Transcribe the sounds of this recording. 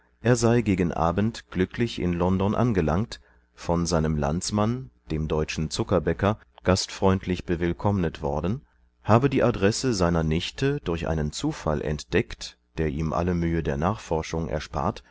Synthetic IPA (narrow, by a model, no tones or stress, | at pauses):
ʔeːɐzaɪɡeːɡn̩ʔa̰ːbən̩tɡ̥lʏkʰlɪçʔɪ̰nlɔndɔnʔa̰nɡəlaŋkt | fɔnzaɪnəmla̰nt͡smand̥eːmdɔʏt͡ʃn̩t͡sʊkɐbɛkɐ | ɡ̥astfʁ̥ɔʏntʰlɪçb̥əvɪlkʰɔmnətv̥ɔɐdn̩ | haːbədiːʔadʁɛsəzaɪnɐnɪçtʰədʊɐçʔa̰ɪnənt͡suːfa̰lʔɛ̰ntd̥ɛkt | d̥eːɐʔiːmʔa̰ləmyːədeːɐnaːχfɔɐʃʊŋʔɛ̰ɐʃpa̰ːɐt